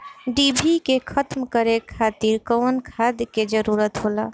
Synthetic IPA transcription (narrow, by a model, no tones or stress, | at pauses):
ɖibʱikekʰət̪mkəɾekʰat̪iɾkəwnkʰad̪ked͡ʒəɾuɾət̪ɦola